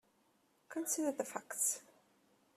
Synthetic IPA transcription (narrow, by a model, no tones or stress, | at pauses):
kʰə̃nsɪdə˞ðəfækts